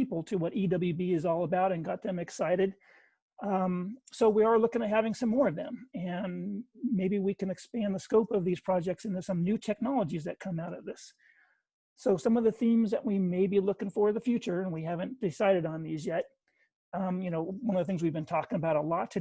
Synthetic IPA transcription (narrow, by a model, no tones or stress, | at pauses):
ipl̩ˠtʰɨwʌɾidʌbl̩ˠjʉbiɨzɔlˠəbaʊɾɨ̃nɡɑt̪̚ðɨ̃mɨksaɪɾɨd̥̚ | soʊwiə˞lʊkɪ̃ŋɨt̚hævɪ̃ŋsʌ̃mːɔɹʌvðɨ̰̃mɨ̃nmeɪbiwikɨ̃nɨkspæ̃nðəskoʊpʌvðiz̥pʰɹ̥ɑd͡ʒɛk̚tsɨ̃ntɨsʌ̃mnʉtʰɛk̚nɑlˠəd͡ʒizðɨt̚kʰʌ̃maʊɾʌt̪̚ðɪs | oʊsʌ̃mʌvðɨθĩmzðɨʔ̚wimeɪbilʊkɪ̃ŋfə˞ðɨfjʉt͡ʃə˞ɨ̃nwihævɨ̃nd̥ɨsaɪɾɨɾn̩ðizjɛt̚ | jɨnoʊwʌ̃nʌvðɨθɪ̃ŋzwivbɨ̃ntʰɔkɪ̃ŋəbaʊɾəlɔtʰɨ